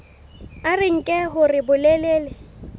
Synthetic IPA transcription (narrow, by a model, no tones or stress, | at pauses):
arɪŋ̩kʼɛɦʊrɪbʊleleːlɪ